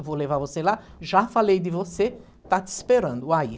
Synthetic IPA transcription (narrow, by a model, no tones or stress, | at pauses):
volevaɾvosela | ʒafalejd̪ɪvose | t̪at̪speɾɐ̃nd̪ʊai